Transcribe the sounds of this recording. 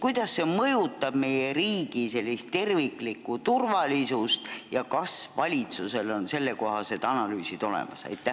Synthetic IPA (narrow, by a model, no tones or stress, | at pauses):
kujd̪̥ɑsːe̞mɤjut̪ːˑɑb̥me̞jeɾiːɡ̥ise̞lʲːist̪t̪ːe̞rvikˑlikːut̪urvɑlisust̪jɑkɑsvɑlʲit̪suse̞lo̞nse̞lːe̞ko̞ɦɑse̞d̪̥ɑnɑlyːsid̪̥o̞lḛmɑ̰sɑ̰jt̪ːˑæ